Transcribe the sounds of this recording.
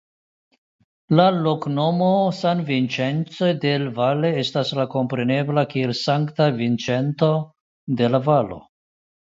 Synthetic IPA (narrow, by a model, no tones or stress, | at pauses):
lalo̞kno̞mo̞sanvint͡ʃe̞nt͡so̞jde̞lvale̞estaslako̞mpɾe̞ne̞blakie̞lsaŋktavint͡ʃe̞nto̞ | de̞lavalo̞̰